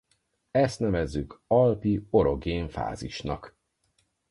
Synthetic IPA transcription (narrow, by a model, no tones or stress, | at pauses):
ɛst̪nɛvɛzːykɒlpio̞ɾo̞ɡeːɱfa̰ːziʃnɒk